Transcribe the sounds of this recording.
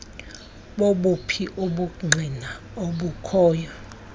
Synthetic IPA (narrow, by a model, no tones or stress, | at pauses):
ɓoɓupʰiʔuɓuŋ͡ǀʱina | oɓukʰɔːjɔ